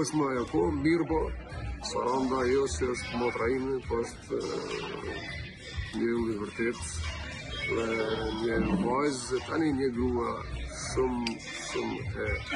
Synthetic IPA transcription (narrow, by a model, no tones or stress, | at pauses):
ɔʃt̪məajɔkɔmiɾbɔsa̰ɾand̪ajɔsiɔʃt̪mɔt̪ɾainɛpɔɔʃt̪ | nəulivəɾt̪ɛt̪ | ðɛɲəvajzt̪aniɲəɡuaʃum | ʃumɛ